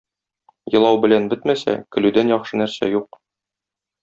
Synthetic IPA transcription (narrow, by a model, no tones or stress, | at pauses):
jɤ̆lˠɑwbɘ̆lænbɘt̪mæsæ̰kɘ̆lʉd̪ænjɒχʃɤnæɾsæ̰juq